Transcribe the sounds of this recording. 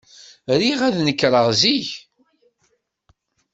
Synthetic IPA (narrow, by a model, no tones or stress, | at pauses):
ɾiʁæðnəkːɾˤəʁziʝ